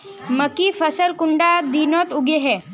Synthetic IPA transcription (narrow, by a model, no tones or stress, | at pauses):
məkifəsəlkuɳɖad̪inɔt̪uɡeɦɛ